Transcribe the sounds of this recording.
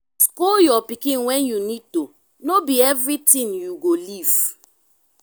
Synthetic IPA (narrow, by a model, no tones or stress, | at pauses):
skojɔpikĩnwɛnjunid̚to | nobiɛvɾitĩnjuɡoliv̥